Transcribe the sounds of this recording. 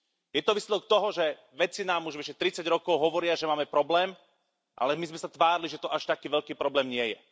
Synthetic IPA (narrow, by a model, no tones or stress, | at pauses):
jɛt̪ɔʋislɛd̪ɔk̚t̪ɔɦɔʒɛ | ʋɛt͡sinaːmuʒʋɛʃɛt̪ɾit͡saɟɾɔkɔʊɦɔʋɔɾɪaʒɛmaːmɛpɾɔblɛːm | ʔa̰lɛmizmɛsat̪ʋaːɾiliʒɛt̪ɔʔaʃt̪akiːʋɛʎkiːpɾɔblɛːmɲɪɛjɛ̰